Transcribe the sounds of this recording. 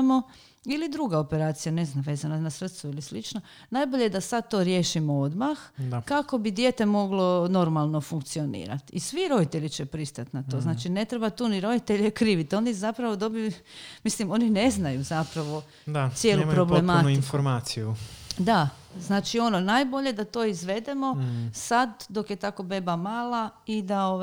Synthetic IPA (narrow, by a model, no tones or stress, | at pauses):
mo̞ | ilid̪ɾuɡao̞pe̞ɾaːt̪sijane̞znaʋe̞ːzananasɾr̩t̪suilislit͡ʃna | naːjboʎejed̪asad̪̚t̪o̞ɾje̞ːʃimood̪maxakako̞bid̪jeːt̪e̞mo̞ɡlo̞no̞ɾmalˠno̞fuŋk̚t̪sio̞nḭːɾa̰t̪isʋiɾo̞d̪it̪eʎit͡ɕepɾist̪at̪nat̪o̞ːznaːt͡ʃine̞t̪ɾe̞bat̪uːniɾo̞d̪it̪e̞ʎekɾiːʋit̪o̞nizapɾaʋo̞d̪o̞biju | mislimo̞ːnine̞znajuzapɾaʋo̞ | d̪asjeːlupɾoblematuinfoɾmaːt̪sijud̪a | znaːt͡ʃio̞nonaːjboʎe̞d̪at̪oːizʋe̞d̪e̞mo̞sad̪d̪o̞kjet̪ako̞be̞bamaːlaid̪ao